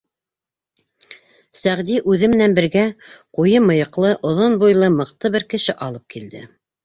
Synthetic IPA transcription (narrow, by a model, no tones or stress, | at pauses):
sæʁd̪iʔʉðɘmɘ̆nænbɘ̆ɾɡæqujɤmɤ̆jɤ̆qlˠɤʔŏðonbujlˠɤmɤ̆qt̪ɤβɘɾkɘ̆ʃɘʔɑlˠɤp̚kild̪ɘ̰